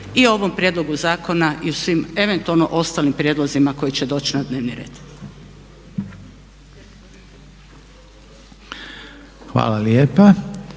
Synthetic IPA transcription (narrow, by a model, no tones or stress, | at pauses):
io̞ʋo̞mpɾʲje̞d̪lˠo̞ɡuzaːkʰo̞naʔiusʋime̞ʋe̞nt̪ualnoʔo̞st̪aːlimpɾʲjed̪lˠozimako̞jit͡ɕe̞d̪o̞ːt͡ɕnad̪ne̞ːʋniɾḛːd̪̥ | xʋa̰ːlaljeːpa